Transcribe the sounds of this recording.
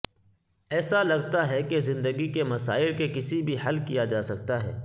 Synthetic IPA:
ɛːsalɐɡt̪aɦɛkezɪ̃nd̪əɡikemɐsa̰ːɪlkekɪsibʱihɐlkijad͡ʒaːsɐkt̪aɦɛ̰ː

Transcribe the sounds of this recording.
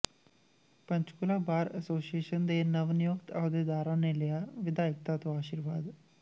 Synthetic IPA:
pə̃ɲt͡ʃkʊlaːbaːɾəsoːsieːʃənd̪eːnəʋnɪjʊkt̪aːd̪eːd̪aːɾãːneːlɪjaːʋɪd̪aːɪk̚t̪aːt̪õːaːʃiːɾʋaːd̪

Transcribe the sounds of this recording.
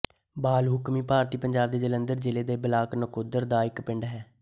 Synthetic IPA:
baːlɦʊkmiːpaːɾt̪iːpəɲd͡ʒaːb̚d̪eːd͡ʒələnd̪əɾd͡ʒɪleːd̪eːbəlaːknəkʊd̪əɾd̪aːɪkpɪɳɖɦɛː

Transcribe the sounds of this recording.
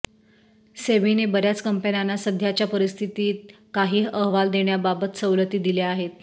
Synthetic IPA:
seʋinebəɾjat͡skəmpənanːasəd̪ʱjat͡ɕjapəɾist̪ʰit̪iːt̪̚ | kaɦiːɦəɦʋald̪eɳjababət̪səwlət̪iːd̪ileaɦet̪

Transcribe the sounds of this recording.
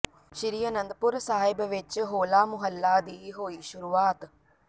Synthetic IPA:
ʃiɾijɐnɐnd̪pʊɾsaːɦɪbɐʋɪt͡ʃːɦoːlaːmʊɦɐlːaːd̪iːɦoːiʃʊɾuːʋaːt̪

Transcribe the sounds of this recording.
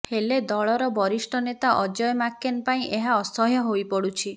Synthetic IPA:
heled̪ɔɭɔɾɔbɔɾisʈʰɔnet̪aʔɔd͡ʒɔjɔmakːenpaĩʔeɦaɔsɔɦjɔɦojpɔɽut͡ʃʰi

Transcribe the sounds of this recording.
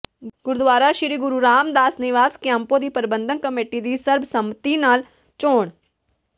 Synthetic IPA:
ɡʊɾd̪ʋaːɾaʃɪɾiɡʊɾuɾaːmd̪aːsnɪʋaːskeɐ̃mpod̪iːpəɾɪbə̃nd̪ʱənkɐmeːʈid̪isɐɾbʱsɐmət̪inaːl | t͡ʃoːɽ̃

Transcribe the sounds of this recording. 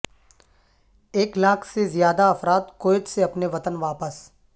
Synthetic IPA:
eːklaːkʰsezjaːd̪aɐfɾaːd̪koːɪd͡ʒseɐpneʋɐt̪ənʋaːpəs

